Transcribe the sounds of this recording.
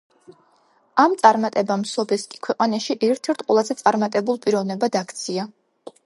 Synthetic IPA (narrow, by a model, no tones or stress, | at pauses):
amt̪sʼaɾmat̪ʼɛbamsɔbɛskʼi̥kʰwɛqʼanaʃiʔɛɾt̪ʰɛɾt̪ʰʼqʼwɛlˠazɛt̪sʼaɾmat̪ʼɛbulˠpʼiɾɔvnɛbad̪akʰt̪sʰia